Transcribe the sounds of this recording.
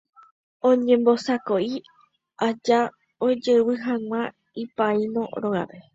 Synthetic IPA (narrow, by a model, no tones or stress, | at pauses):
õɲẽmbosakoi | ad͡ʒa | od͡ʒewɨɦãŋ̃ʷã | ipainõ̰ɾoɣa̰pe